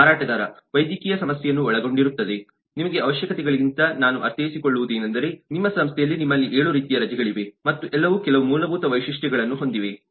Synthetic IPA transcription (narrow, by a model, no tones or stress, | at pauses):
aːɾaːʈɐd̪aːɾɐʋɐjd̪ikiːjɐsɐmɐsjɛjɐnːuɔɭɐɡo̞ɳɖiɾut̪ːɐd̪e̞ | nimɐɡe̞ɐʋɐʃjɐkɐt̪ɛɡɐɭiɡint̪ɐnaːnuʔɐɾt̪eːjisikoɭːuʋud̪eːnɐnd̪ɐɾe̞nimːɐsɐmst̪ʰɛjɐlːinimːɐlːiʔeːɭuɾiːt̪ijɐɾɐd͡ʒɛɡɐɭiʋe̞mɐt̪ːuʔɛlːɐʋukɛlɐʋumuːlɐbʱuːt̪ɐʋɐjʂiʂʈɛɡɐɭɐnːuɦo̞nd̪iʋe̞